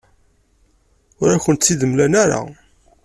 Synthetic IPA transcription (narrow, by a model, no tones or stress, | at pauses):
ʊɾæçənt̪θiðəmlænaɾa̰